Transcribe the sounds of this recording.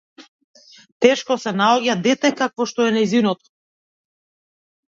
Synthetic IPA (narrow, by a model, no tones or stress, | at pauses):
t̪ɛʃkɔsɛnaɔɟad̪ɛt̪ɛkakvɔʃt̪ɔɛnajzinɔt̪ɔ̥